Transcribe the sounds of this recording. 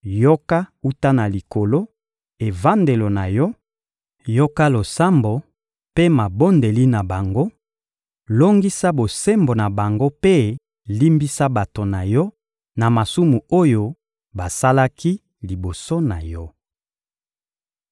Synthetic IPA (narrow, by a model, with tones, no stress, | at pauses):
jo˦ka˦u˦ta˦na˨li˨ko˨lo˦ | e˨va˦nde˨lo˨na˨jɔ˦ | jo˦ka˦lo˨sa˦mbo˨ | pe˦ma˨bo˦nde˨li˦na˨ba˨ŋɡo˦ | lo˦ŋɡi˦sa˦bo˨se˦mbo˨na˨ba˨ŋɡo˦pe˦ | li˦mbi˦sa˦ba˨to˨na˨jɔ˦ | na˨ma˨su˦mu˨o˦jo˦ | ba˨sa˦la˦ki˦ | li˨bo˨so˦na˨jɔ˦